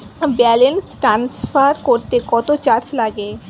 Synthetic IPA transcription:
bɛlensʈɾansfaɾkoɾt̪ekɔt̪ot͡ɕaɾt͡ɕlaɡe

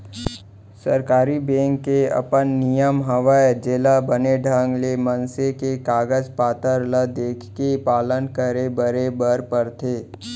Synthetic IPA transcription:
səɾkaːɾibɛ̃ːŋkːeɐ̰pənːijəmɦəʋaed͡ʒeːlabəneɖʱãːŋɡlemənsekekaːɡəd͡ʒpaːt̪əɾləd̪eːkʰkepaːlənkəɾebəɾebəɾpəɾt̪ʰeː

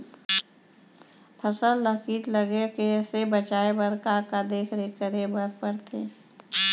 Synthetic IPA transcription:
pʰəsəlːəkiːʈ̪ləɡekesebət͡ʃaːebəɾkakad̪eːkʰd̪ekəɾebəɾpəɾt̪ʰeː

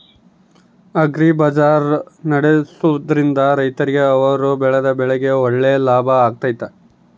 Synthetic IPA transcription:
ɐɡɾibɐd͡ʒaːɾnɐɽesuʋɐd̪ɐɾind̪ɐɾɐjt̪ɐɾiɡeɐʋɐɾubɛɭɐd̪ɐbɛɭɛɡe̞oɭːeːlaːbʱɐːɡ̚t̪aːjt̪ːɐ

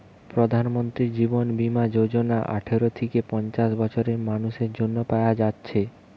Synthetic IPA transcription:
pɾod̪ʱanmont̪ɾid͡ʑibonbimad͡ʑod͡ʑonaʔa̰ʈʰeɾot̪ʰekepɔnt͡ɕaʃbɔt͡ɕʰoɾeɾmanuʃeɾd͡ʑonːopaead͡ʑatːɕʰe

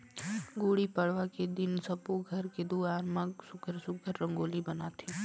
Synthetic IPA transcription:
ɡoːɽipəɽ̤ʋaked̪ɪnsəpoɡʱəɾked̪uːaːɾmãksʊkʰəɾsʊkʰəɾːə̃ŋɡoːlibənat̪ʰi

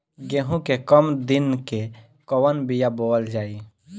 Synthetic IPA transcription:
ɡẽːɦũkekəmd̪ɪnke | kɔwənbijaboːəld͡ʒaːi

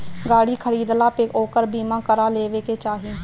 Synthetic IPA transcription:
ɡaːɽikʰəɾiːd̪laːpeoːkəɾbiːmãkəɾaleːʋeːket͡ʃaːɦi

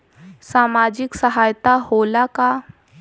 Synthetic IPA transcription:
samad͡ʑiksəɦajt̪aholaka

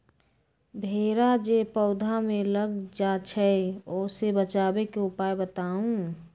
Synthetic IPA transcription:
bʱeːɾad͡ʒepəʊd̪ʱamẽləɡd͡ʒat͡ʃʰɛoːsebət͡ʃaːbekeʊpaːebət̪aːũ

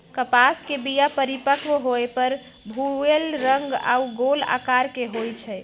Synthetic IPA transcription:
kəpaskebijapəɾipəkʋɦoepəɾ | bʱuelɾəŋɡa̰uɡola̰kaɾkeɦojt͡ʃʰɛ

